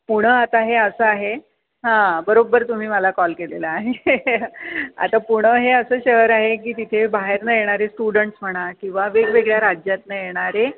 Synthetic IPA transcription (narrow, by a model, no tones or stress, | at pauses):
puɽ̃əat̪aɦeəsəaɦe | ɦãbəɾobːəɾt̪um̤iːməlakɔlkelḛlaːɦe | a̰t̪apuɽ̃əɦeəsəːɕəɦəɾaɦekiːt̪it̪ʰebaɦeɾnəjeɽ̃aɾesʈuɽəɳʈsm̤əɽ̃akĩw̃ʋaʋeɡʋeɡɭjaɾad͡ʑjat̪nəjeɽ̃aɾe